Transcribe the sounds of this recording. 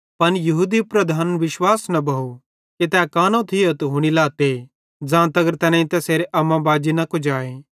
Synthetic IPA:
pɐnjɐɦuːd̪ipɾɐd̪ʱaːnʋɪʃwaːsnɐbɐɦu | ket̪ɛkaːnõt̪ʰɪjot̪ɦʊɽ̃ilaːt̪e | d͡zãːt̪ɐɡəɾt̪ɛːnãĩt̪ɛseːɾeʔɐmãbaːd͡ʒinɐkʊd͡ʒaːeː

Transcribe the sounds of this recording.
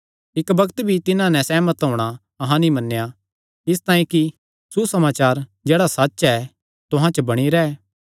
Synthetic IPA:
ɪkbɐkt̪bʱit̪ɪnãnɛ̃sɛːmɐt̪ɦoːɽ̃a | ɐɦãnĩmɐnːeja | ɪst̪aːĩki | susɐmaːt͡ʃaːɾd͡ʒɛːɽasatːʃɛ | t̪ʊɦãt͡ʃəbɐɽ̃iɾɛɛ

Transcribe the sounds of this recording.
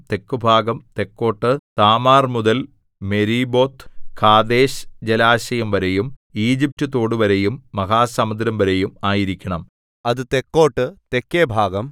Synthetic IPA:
t̪e̞kːubʱaːɡɐmt̪e̞kːo̞ːʈːɨt̪aːmaːrmuðɐl | me̞ɾiːbo̞ːt̪ːkʰaːd̪e̞ːɕd͡ʑelaːɕɐjɐmʋɐɾe̞jumiːd͡ʑip̚tɨt̪ːo̞ːɽɨʋɐɾejumːɐɦaːsɐmɐd̪ɾɐmʋɐɾe̞jumaːjiɾikʲːɐɳɐm | ɐðɨt̪e̞kːo̞ːʈːɨt̪ekːeːbʱaːɡɐm

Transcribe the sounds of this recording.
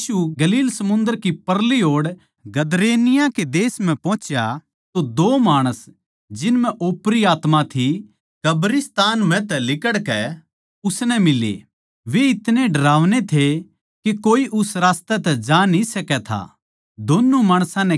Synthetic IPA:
uɡɐliːlsɐmʊ̃nd̪əɾkipɐɾliɦoːɽ | ɡɐd̪ɾeːnɪjaked̪eːsm̤ɛ̃pɔ̃ːt͡ʃja | t̪od̪oːmaːɽ̃əs | d͡ʒɪnmɛ̃ʔoːpɾiaːt̪mãt̪ʰi | kɐbɾɪst̪aːnm̤ɛ̃t̪ɛlɪkəɽkɛ | ʊsnɛmɪlḛ | ʋeɪt̪neɖʱɐɾaːʋnet̪ʰe | kekoːiʔʊsɾaːst̪ɛt̪ɛd͡ʒaːnisɐkɛt̪ʰa̰ | d̪oːnːumaːɽ̃sãnɛ̃

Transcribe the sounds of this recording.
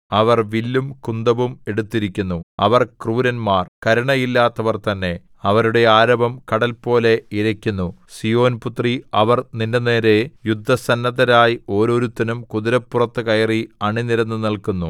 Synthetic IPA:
ɐʋɐrʋilːumkund̪ɐʋume̞ɽut̪ːiɾikʲːunːuɐʋɐrkruːɾɐnmaːrkɐɾɐɳɐjilːaːt̪ːɐʋɐrt̪ɐnːe̞ | ɐʋɐɾuɽe̞aːɾɐbɐmkɐɽɐlpo̞ːle̞iɾɐkʲːunːusijo̞ːnput̪riɐʋɐrnindɐne̞ːɾe̞jud̪ʱːɐsɐnːɐðɐɾaːjio̞ːɾo̞ːɾut̪ːɐnumkuðiɾɐpːurɐt̪ːɨkɐjɐriɐɳiniɾɐnːɨnɐlkunːu

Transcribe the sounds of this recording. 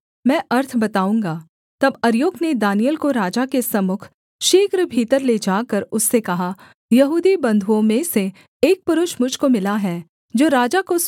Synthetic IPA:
mɛ̃ːʔɐɾt̪ʰbɐt̪aːũːŋɡaː | t̪ɐbɐɾjoːɡned̪aːnijəlkoɾaːd͡ʒakesɐmʊkʰ | ʃeːkɾəbʱiːt̪əɾled͡ʒaːkɐɾʊsːekɐɦa | jɐɦuːd̪ibɐ̃nd̪ʱuõmẽseː | k̚pʊɾʊʃmʊd͡ʒʱkomɪlaɦɛː | d͡ʒoːɾaːd͡ʒakos

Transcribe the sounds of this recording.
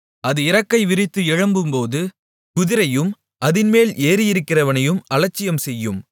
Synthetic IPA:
ɐðɯɪɾɐkːɐɪʋɪrɪt̪ːɯɪɻɐmbɯmpoːðɯ | kʊðɪɾɐjɯm | ʔɐðɪnmeːleːɾɪjɪɾɯkːɪrɐʋɐnɐjɯmɐlɐt͡ʃːɪjɐmsɛjːɯm

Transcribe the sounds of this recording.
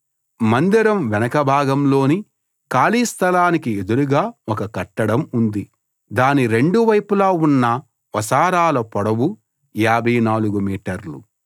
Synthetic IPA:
mɐnd̪iɾɐmʋɛnɐkɐbʱaːɡɐmlo̞ːni | kaːliːst̪ʰɐlaːnikied̪uɾuɡaːɔkɐkɐʈːɐɽɐmund̪i | d̪aːniɾe̞ɳɖuʋɐjpulaːunːɐ | ʋɐsaːɾaːlɐpɔɽɐwu | jaːbʱɐjnaːluɡumiːʈɐɾlṵ

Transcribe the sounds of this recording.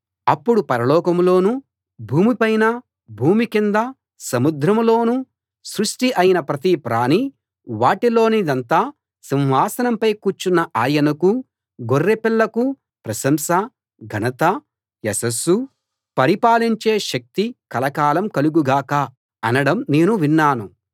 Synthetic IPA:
ɐpːuɽupɐɾɐlɔːkɐmlo̞ːnu | bʱuːmipɐjnɐ | bʱuːmikind̪ɐ | sɐmud̪ɾɐmlo̞ːnu | sɾuʂʈiʔɐjinɐpɾɐt̪ipɾaːni | ʋaːʈilo̞ːnid̪ɐnt̪aː | simɦaːsɐnɐmpɐjkuːɾt͡ʃunːɐʔaːjɐnɐku | ɡorːepilːɐku | pɾɐsɐmsɐ | ɡʱɐnɐt̪ɐ | esɐsu | pɐɾipaːliɲt͡ʃe̞ːʃɐk̚t̪ikɐlɐkaːlɐmkɐluɡuɡaːkɐ | ɐnɐɽɐmne̞ːnuʋinːaːnu

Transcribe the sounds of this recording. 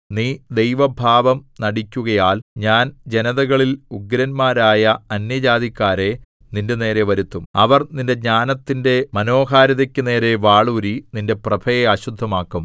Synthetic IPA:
niːd̪e̞jʋɐbʱaːʋɐmnɐɽikʲːuɣɐjaːlɲaːnd͡ʑe̞nɐðɐɣɐɭiluɡɾɐnmaːɾaːjɐɐnjɐd͡ʑaːd̪ikʲːaːɾe̞ | ninde̞ne̞ːɾe̞ʋɐɾut̪ːumɐʋɐrninde̞ɲaːnɐt̪ːinde̞mɐno̞ːɦaːɾɐðɐkʲːɨne̞ːɾe̞ʋaːɭuɾininde̞prɐbʰʱɐjeɐɕud̪ʱːɐmaːkːum

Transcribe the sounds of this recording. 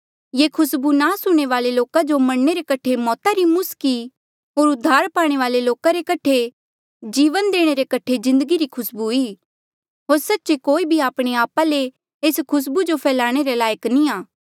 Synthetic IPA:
jeːkʰʊsbunasʊɽ̃eʋaːleloːkad͡ʒomɐɽneɾekɐʈʰemɔːt̪aɾimʊski | ɦoːɾʊd̪ʱːaːɾpaːɽ̃eʋaːleloːkaɾekɐʈʰe | d͡ʒiːʋənd̪eːɽ̃eɾekɐʈʰezɪ̃nd̪əɡiɾikʰʊsbuiː | ɦoːɾsɐtːʃekoːibʱiaːpɽ̃eaːpale | eːskʰʊs̬bud͡ʒopʰɛːlaːɽ̃eɾelaːjəknĩaː

